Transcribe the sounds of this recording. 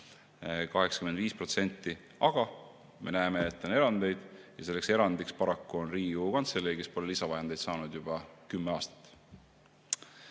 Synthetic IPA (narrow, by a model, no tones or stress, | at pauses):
kɑɦe̞ksɑ̥kymend̪viːspro̞t̪se̞nʲt̪ˑːi | ɑɡ̥ɑ | me̞̰næeme̞ːt̪ːˑo̞ne̞ɾɑnd̪̥e̞jd̪̥jɑse̞lːekse̞ɾɑnd̪ikspɑɾɑkːuo̞nriːukɑnt̪selːejke̞spo̞lelisɑvɑjɑnd̪ejd̪sɑːnud̪̥jub̥ɑkymːeɑːst̪ɑ̥t̪ːˑ